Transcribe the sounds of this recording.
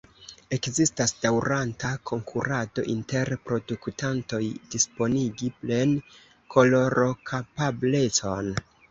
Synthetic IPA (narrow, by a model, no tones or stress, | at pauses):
e̞kzistasd̥awɾantakʰo̞ŋkʰuɾado̞̰ʔinte̞ɾpɾo̞duktanto̞jd̥ispo̞niɡiple̞n | kʰo̞lo̞ɾʔo̞kʰapable̞t͡so̞n